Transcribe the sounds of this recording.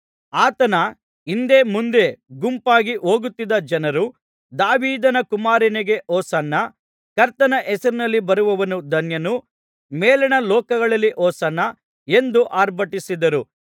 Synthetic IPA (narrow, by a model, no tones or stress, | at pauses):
aːt̪ɐnɐ | ind̪e̞ːmund̪e̞ɡumpaːɡiʔoːɡut̪ːid̪ɐd͡ʒɐnɐɾu | d̪aːʋiːd̪ɐnɐkumaːɾinɛɡe̞ʔɔːsɐnːɐ | kɐɾt̪ɐnɐʔɛsɐɾinɐlːibɐɾuʋɐʋɐnud̪ʱɐnjɐnu | mɛːlɐɳɐlɔːkɐɡɐɭɐlːiʔɔːsɐnːɐ | e̞nd̪uʔaːɾbɐʈisid̪ɐɾu